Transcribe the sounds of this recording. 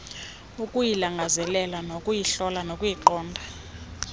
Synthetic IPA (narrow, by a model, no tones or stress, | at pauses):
ukʼujilaŋɡʱazɛlɛlanokʼujiɬɔlanokʼujiǃɔːndʱa